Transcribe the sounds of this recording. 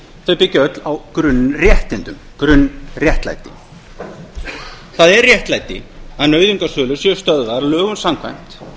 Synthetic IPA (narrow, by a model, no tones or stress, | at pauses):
θœɥpɪcːɪœt̪lawkɾʏnːrjɛht̪ɪnt̪ʏm | kɾʏnːrjɛht̪la̰jt̪ɪ̰ | θaðɛrrjɛht̪lajt̪ɪ̰aðnœːɥðiŋkasœːlʏsjɛʏ̥st̪œðvaɾlœːɣʏnsamkʰvajm̥t̪